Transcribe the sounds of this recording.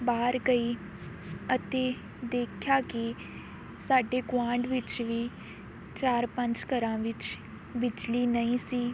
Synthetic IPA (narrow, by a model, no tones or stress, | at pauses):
baːɾɡəiː | ət̪eː | d̪eːkʰjaːkɪ | saːɖeːɡʋãːɳɖʋɪt͡ʃʋiː | t͡ʃaːɾpə̃ɲt͡ʃkəɾãːʋɪt͡ʃ | bɪd͡ʒliːnəĩːsiː